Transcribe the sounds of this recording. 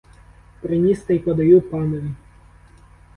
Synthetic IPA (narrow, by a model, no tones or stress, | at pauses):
pɾɪnʲist̪ɐjpɐd̪ɐjupanɐʋʲi